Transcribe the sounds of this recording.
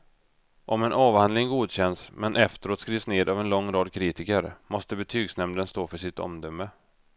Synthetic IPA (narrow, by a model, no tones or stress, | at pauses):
ʔɔmɛnʔɑːvhand̪lɪŋɡuːd̪ɕɛnsmɛnʔɛft̪əɾoːt̪skɾiːvsneːd̪avɛnlɔŋːɾɑːd̪kʰɾiːt̪ɪkəɾmɔst̪əbɛt̪ʰyːɡsnɛmd̪ənst̪oːfœʂɪt̪ɔ̰md̪œmːə